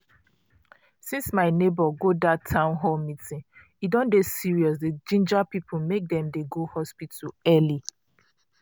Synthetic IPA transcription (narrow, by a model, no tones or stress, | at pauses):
sĩnsmaɪnebɔɡodatʰãʊ̃nɦɔlmitĩn | idɔ̃ndesiɹiɔs̬ded͡ʒĩnd͡ʒapipʰumek̚dɛ̃mdeɡohɔspitʰuɛli